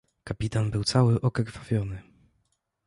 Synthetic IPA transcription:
kapʲit̪anbɘwt̪sawɘʔɔkɛkvavʲjɔnɘ

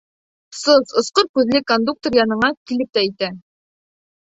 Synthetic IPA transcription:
sozŏsqoɾkʉðlɘkond̪uk̚t̪oɾjɑnɤ̆ɴɑkilɘp̚t̪æĭjt̪æ

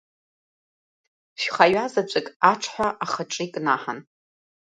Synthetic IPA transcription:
ʃᶣχajɥazat͡ʃʷʼɪkʼaʈ͡ʂʰħʷaʔaχaʈ͡ʂʼikʼnaħan

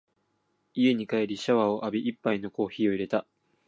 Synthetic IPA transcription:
ie̞ɲ̟ikaeɾʲiɕaβao̞ʔabʲiʔipːaino̞ko̞ːçiːo̞iɾe̞t̪a

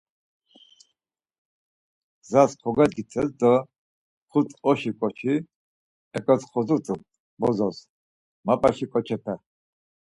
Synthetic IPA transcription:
zaskʰɔɡad̪ɡit͡sʰɛsd̪a | χut͡sʼɔʃikʼɔt͡ʃʰi | ɛkʼat͡sχʰɔzut͡s̪ʼ | bɔzɔs | mapʼaʃikʼɔt͡ʃʰɛpʰɛ

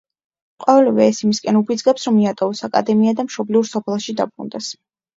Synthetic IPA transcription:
qʼɔvɛlɛvɛːsimiskʼɛnubid̪zɡɛpsɾɔmiat̪ʼɔɔsakʼa̰d̪ɛmiad̪amʃɔbliuɾsɔpʰɛlˠʃid̪a̰bɾṵnd̪ɛs

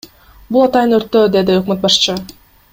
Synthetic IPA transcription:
bulˠɑt̪ɑjɯnøɾt̪ːød̪e̞d̪iøq̚møt̪̚bɑʃt͡ʃɯ

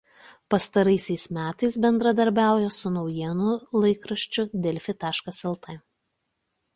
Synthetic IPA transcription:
pɐst̪ɐɾɐɪsʲɛɪsmʲæːt̪ɐɪs̬bʲɛnd̪ɾɐd̪ɐɾʲbʲæˑʊjosʊnɒʊjiɛnʊlˠɐɪkɾɐʃʲt͡ʃʲʊd̪ʲɛlʲfʲɪt̪ɑːʃkɐsɛlˠt̪ʰɐ

